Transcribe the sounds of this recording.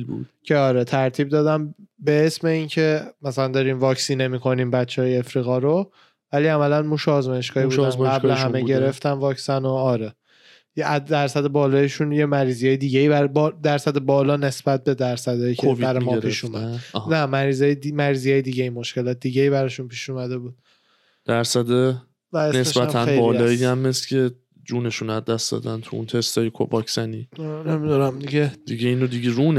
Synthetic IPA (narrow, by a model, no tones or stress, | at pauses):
bṵ̥cʰeɒːɾet̪ʰæɾt̪ʰiːb̚d̪ɒːd̪æmbe̞esme̞iːncʰe̞mæsælænd̪ɒːɾiːmvɒːcsine̞mikʰo̞niːmbæt̪t͡ʃʰːehɒːjeefɾiːɣɒɾo | væliæmælænmuʃɛːzmɒːje̞ʃkɒːhibud̪æzɡæbleɦæmeɟe̞ɾe̞ft̪ænvɒːcsænoɒːɾe | jææɾsæd̪ebɒːlɒːjeʃunje̞mæɾiːzijɒːjed̪iɟeibæɾbd̪æɾsæd̪ebɒːlɒːne̞sbæt̪̚be̞d̪æɾsæd̪ɒːjickʰeoviæɾemɒeɾpiːʃuːmædhnæmæɾiːzɒːjeimæɾiːzijɒːjed̪iːɟeimo̞ʃce̞lɒːt̪ʰed̪iːɟeiːbæɾɒːʃunpʰiːʃuːmæd̪e̞buːd̪̥̚ | d̪̥æɾsæd̪e | væesnesebæænbɒːlɒːiæmːescʰe | d͡ʒuːne̞ʃunæzd̪æsd̪ɒ̰ːd̪ænt̪ʰuṵnt̪ʰe̞st̪ʰɒːjekʰo̰bɒkʰz̥æniːnemid̪unæmd̪iɡed̪̥iɡeiːnod̪iɡeɾun